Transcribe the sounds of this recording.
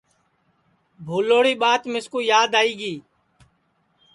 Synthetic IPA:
bʱuːloːɽiːɓaːt̪mɪskuːjaːd̪aːiːɡiː

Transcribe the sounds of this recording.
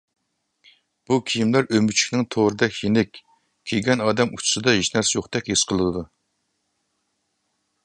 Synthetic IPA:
b̥ukʲʰijimlæɾømyt͡ʃʰi̥kʲnɪŋt̪ʰoɾɨd̪ɛkʲjenɪkʲ | kʲʰːeɡʲɛnɑːd̪ɛmut͡ʃʰʊ̥sɨd̪ɑɦiʃnæɾsjoχt̪ɛkʲheʃqʰəlˠɨɨd̪u

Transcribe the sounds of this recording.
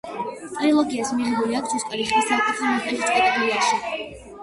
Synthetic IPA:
t̪ʼɾilˠɔɡiasmiʁɛbuliakʰt͡ʃ̪ʰuskʼɛlisχist̪akʼut̪ʰɔnaχɛʃit̪ʼqʼɛt̪ʼɛkliaʃi

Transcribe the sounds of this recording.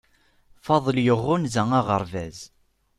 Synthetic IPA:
fɑðˤəljəʁːʊnzæŋaʁəɾvæz

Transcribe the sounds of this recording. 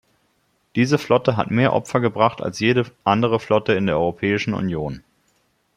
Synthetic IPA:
d̥iːzəflɔtəɦa̰tmeːɐʔɔ̰pfɐɡəbʁaχta̰lsjeːɾəʔandəʁ̞əflɔtəɪndeːɐɔʁopʰɛːɪʃn̩ʊ̰njoːn

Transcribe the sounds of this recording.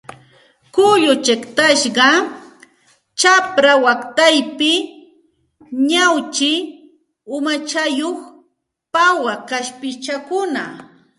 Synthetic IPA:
kʊʎʊt͡ʃekt̪aʃɢɑ | t͡ʃapɾawakt̪ajpɪ | ɲawt͡ʃɪ | ʊmat͡ʃajoχ | pawakaʃpɪt͡ʃakʊna

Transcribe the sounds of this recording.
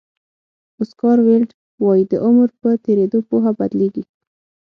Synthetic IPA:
ʊskɑɾwelɖ | wɑjid̪əʔʊmɾpət̪eɾed̪opoɦabad̪leɡi

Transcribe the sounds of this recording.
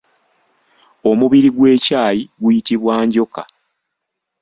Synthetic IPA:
o̞muβiɾiɡweːcaːjiɡujitiβwaːɲɟo̞ka̰

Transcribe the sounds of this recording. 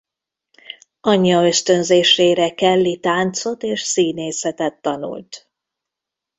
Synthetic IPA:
ɒɲːɒø̞st̪ø̞nzeːʃeːɾɛkɛlːit̪aːnt̪so̞t̪eːʃsiːneːsɛt̪ɛt̪ːɒnṵlt̪

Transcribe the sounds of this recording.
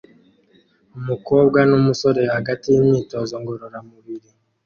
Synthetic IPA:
umuko̞ːbɡwanumuso̞ɾe̞johaɡatijimɲiːtoːzo̞ŋɡo̞ɾoɾamuβiɾi

